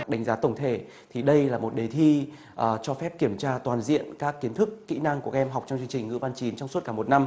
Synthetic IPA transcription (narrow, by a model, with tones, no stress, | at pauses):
ɗa˨˦jŋzaː˨˦t̪ə˧˩wŋ͡mt̪ʰe˧˩ | t̪ʰi˨˩ɗə˧jlaː˨˩mo˨˩t̚ɗe˨˩t̪ʰi˧ | ʔt͡ɕɔ˧fɛ˦˥p̚ki˧˩əmt͡ɕaː˧t̪waː˨˩nzḭ˧˨ənkaː˦˥kːi˨˦ənt̪ʰɨ˦˥kːḭ˧˥na˧ŋku˧˩kʔɛ˧mɦa˨˩wk͡p̚t͡ɕɔ˧wŋ͡mt͡ɕɨ˧əŋt͡ɕï˨˩ŋ̟ŋɨ̰˧˥va˧nt͡ɕi˨˦nt͡ɕɔ˧ŋ͡msu˦˥t̚kaː˧˩mo˨˩t̚na˧m